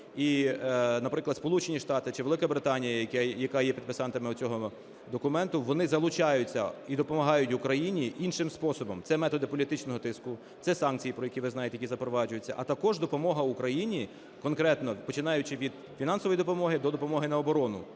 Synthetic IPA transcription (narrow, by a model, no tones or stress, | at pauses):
i | nɐpɾɪklˠɐd̪spɔlˠut͡ʃenʲiʃt̪ɑt̪ɪt͡ʃɪʋe̞lˠɪkɐbɾɪt̪ɑnʲijɐɐkʲjɐkɑjɛpʲid̪̚pɪsɑnt̪ɐmɪʊt͡sʲɔɦɔ | d̪ɔkʊmɛnt̪ʊʋɔnɪzɐlˠʊt͡ʃɑjʊt͡sʲːɐ̰id̪ɔpɔmɐɦɑjʊtʲʋʊkɾɐjinʲiʔinʃɪmspɔsɔbɔmt̪sɛmɛt̪ɔd̪ɛpɔlʲit̪ɪt͡ʃnɔɦɔt̪ɪskʊ | t̪sɛsɑnkʲt͡sʲijipɾɔjɐkʲiʋɪznɑjet̪ejkʲizɐpɾɔʋɑd͡ʒʊjet͡sʲːɐ̰ʔɐt̪ɐkɔʒd̪ɔpɔmɔɦɐukɾɐjinʲi | kɔnkɾɛt̪nɔpɔt͡ʃɪnɑjʊt͡ʃɪʋʲid̪ | fʲinɑnsɔʋɔjd̪ɔpɔmɔɦɪd̪ɔd̪ɔpɔmɔɦɪnɐɔbɔɾɔnʊ̰